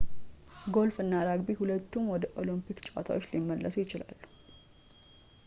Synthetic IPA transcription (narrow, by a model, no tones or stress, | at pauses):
ɡo̞lfɨnːaɾaɡbihulət̪ːumwɔd̪əʔo̞limpʰikt͡ʃʼa̰t̪ʰa̰wot͡ʃːlimːəlːəsujɪt͡ʃɪla̰lːu